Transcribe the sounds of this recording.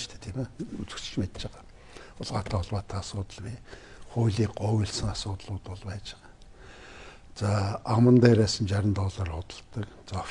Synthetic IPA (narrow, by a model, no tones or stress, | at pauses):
t̪ʰæ̥ːt̪ʰimæut͡sɘ̆ks̆t͡ɕmet̪t͡ɕaʁaː | ʊɮʁaːt̪ʰaːʊɮwaːt̪ʰːaːsʊːt̪ə̆ɮwiː | χʊːɮiːkɢʊwiɮsə̆ŋasʊːt̪ɮʊːt̪ʊɮpæːt͡ɕɪ̥̆ʁaː | t͡saːamrə̆nt̪æːɾæːsə̆nt͡ɕaɾʲə̆nt̪ɔːɮaːrχʊt̪ə̆ɮt̪ə̆kt͡saː